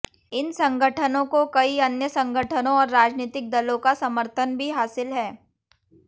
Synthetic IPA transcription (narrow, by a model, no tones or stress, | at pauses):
ɪnsɐ̃ŋɡʱəʈʰənõkokɐiɐnjəsɐ̃ŋɡʱəʈʰənõɔːɾːaːd͡ʒniːt̪ɪk̚d̪ɐlõkasɐməɾt̪ʰənbʱiɦaːsɪlɦɛː